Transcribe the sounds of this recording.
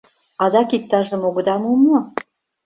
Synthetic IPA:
ɑd̪ɑkik̚t̪ɑʒə̆moɣə̆d̪ɑmumo

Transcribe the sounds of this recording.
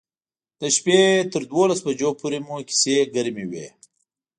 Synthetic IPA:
d̪̥əʃpet̪əɾd̪wolasbad͡ʒopuɾemuki̥seɡəɾmiwḛ

